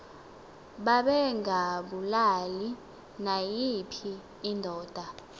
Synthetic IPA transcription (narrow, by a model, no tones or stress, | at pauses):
ɓaɓɛŋaɓulali | najipʰiː | ndʱɔːd̥ʱa